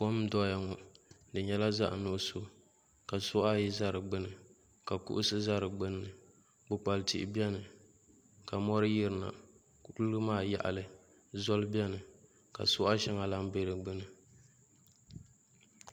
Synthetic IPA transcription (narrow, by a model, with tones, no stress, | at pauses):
pɔ˦m˦dɔ˦ja˨ŋɔ˨ | dɨ˨ɲɛ˦la˦za̰˦ʔnʊ˦ʔso˦ | ka˨sʊ˦a˦jɪ˦za˦ɾɨ˨ɡ͡bɨ˦nɨ˨ | ka˨kṵ˦ʔʊ˦sɨ˦za˦ɾɨ˨ɡ͡bɨ˦nːɨ˨ | bɨ˨k͡pa˨lti˨ʔɪ̰˨bjɛ˦nɨ˨ | ka˨mɔ˦ɾɨ˦ji˦ɾɨ˨na̰˨ | klɨ˦ɨ˦maː˦˨ja̰˨ʔa̰˨lɨ˦ | zɔ˦lɨ˦bɛ˦nɨ˨ | ka̰˨sʊ˦ʔa˦ʃɛ˦ŋa˨la˦ŋ˦be˦ɾɨ˨ɡ͡bɨ˦nɨ˨